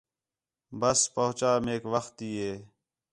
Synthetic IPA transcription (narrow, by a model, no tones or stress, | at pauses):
bəspəɦʊt͡ʃaːmeːkʋəxt̪iːeː